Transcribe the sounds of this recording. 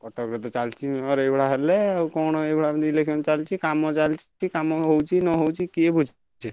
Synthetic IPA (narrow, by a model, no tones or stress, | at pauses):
pɔʈɔkɾɔt̪ɔt͡ʃalt͡ʃʰiɔɾebɔɽaɦɛleawkɔñɔebɽaniilekʃɔnt͡ʃalt͡ʃʰikamɔt͡ʃalt͡ʃʰikamɔɦowt͡ʃʰinɔɦowt͡ʃʰikiebud͡ʒʱ | t͡ʃʰe